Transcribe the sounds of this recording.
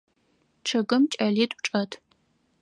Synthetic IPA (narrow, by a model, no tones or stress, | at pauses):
ʈ͡ʂʰɐɡɐmt͡ʃʼɐleːtʼʈ͡ʂʼɐtʰ